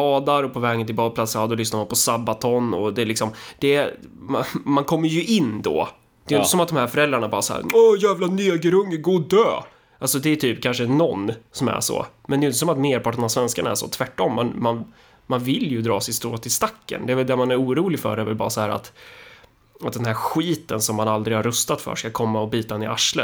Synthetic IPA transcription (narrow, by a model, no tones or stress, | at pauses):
ɑːd̪aɾɔpʰɔvɛːɡənɪlbɑːd̪pʰlasad̪ɔlʏsnaɾmanpʰɔsabːat̪ʰɔnɔd̪ɛlɪksɔmd̪̥ɛmamankʰɔmːəjɵʔɪnːd̪ɔ̰ː | d̪̥ɛjʏnt̪əsɔmat̪̚d̪ɔmhæɾfœɾɛld̪ɾaɳabɑːɾasɔæ̰ːɔjæːvlanyːaɡəɾɵŋːəɡoːd̪øː | ʔalsɔd̪ɛːʈ̪ʰyːpkʰanʂənɔnːsɔmæ̰ʂɔ̰mɛnɛjʏnt̪əsɔmat̪meːɾpɑːʈəɳasvɛnskaɳaæ̰ʂɔ̰t̪ʰvæʈːɔmːɛnman | manvɪljɵd̪ɾɑ̰ːsɛjst̪oːt̪ʰːɪlst̪akːə̰nd̪ɛæːvɛld̪ɛmanæɾuːɾuːlɪfœ̰ɾɛɾvɛlbɑ̰ːɾasɔhæːɾa̰t̪ | at̪̚d̪ɛnɦæːɾɧiːt̪ənsɔmːanald̪ɾɪɡhaɾːɵst̪at̪fœ̰ʂkakʰɔmːaɔbiːt̪aɪnɪʔaʂlə̰